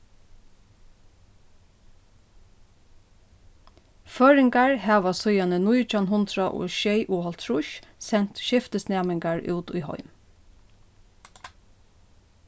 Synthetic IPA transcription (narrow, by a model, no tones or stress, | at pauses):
føːɹɪŋɡaɹhɑːʋɑsɔʏɑnənuɪt͡ʃɑnɦʊnt̪ɾɑʔo̰ːʃeɪʔuːhɑlt̪ʰɹʊʃsɛnt̪ʃɪft̪əsnæːmɪŋɡɑɹʔʉ̰ːt̪ʊ̰ɪhɔ̰ʏm